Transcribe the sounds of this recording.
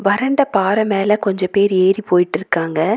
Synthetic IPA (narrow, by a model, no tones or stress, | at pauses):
ʋɐɾɐɳɖɐpaːɾɐmeːlɐkɔɲd͡ʒɐ̃peːɾeːɾipoːjɪʈːɪɾɯkːaːŋɡɐ